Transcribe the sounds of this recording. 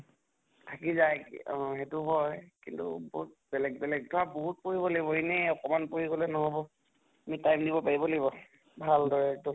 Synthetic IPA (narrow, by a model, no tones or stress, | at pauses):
tʰakizajɦetʊɦɔjkintṵbout̚bɛlɛɡ̚bɛlɛɡ̚dʱɔɹaboɦut̚poɦibɔlebɔinɛɔkɔmanpoɦiɡɔlɛnɔɦɔbɔ | amitajmdibɔpaɹibɔlejbɔ | bʱaldɔɹɛetu